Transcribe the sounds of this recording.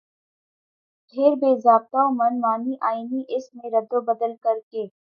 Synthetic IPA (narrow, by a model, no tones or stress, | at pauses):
ɖʱeːɾbeːzaːb̚t̪aomɐnmaːniʔaːiniʔɪsmẽɾɐd̪obɐd̪əlkɐɾkeː